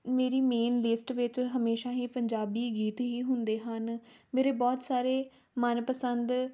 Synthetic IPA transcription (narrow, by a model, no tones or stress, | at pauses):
meːɾiːmeːnlɪsʈʋɪt͡ʃɦəmeːʃãːɦiːpəɲd͡ʒaːbiːɡiːt̪ɦiːɦʊnd̪eːɦənmeːɾeːbɔːt̪saːɾeː | mənpəsənd̪